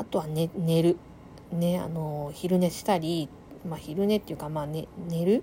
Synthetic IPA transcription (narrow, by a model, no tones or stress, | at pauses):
at̪o̞βanene̞ɾɯ̟ | ne̞a̰no̞çiɾɯ̟ne̞ɕi̥t̪aɾʲi | maːçiɾɯ̟ne̞t̪ːejɯ̟kamaːnene̞ɾɯ̟